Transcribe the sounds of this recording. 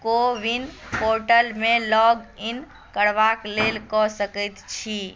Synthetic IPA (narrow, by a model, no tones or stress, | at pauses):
koʋinpoɾʈəlmelɔɡin | kəɽʋaklelkɔsəkət̪t͡ʃʰi